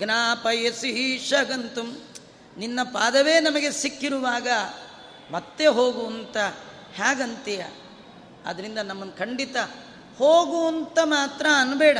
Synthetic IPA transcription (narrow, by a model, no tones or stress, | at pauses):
ɡnaːpɐjɐsiɦiʂɐɡɐnt̪um | ninːɐpaːd̪ɐʋeːnɐmɐɡe̞sikːiɾuʋaːɡɐ | mɐt̪ːeɦoːɡuɐnt̪ɐ | haːɡɐnt̪ijɐ̰ | ɐ̰d̪ɐɾind̪ɐnɐmːɐnkʰɐɳɖit̪ɐ | hoːɡuɐnt̪ɐmaːt̪ɾɐːnbɛːɽɐ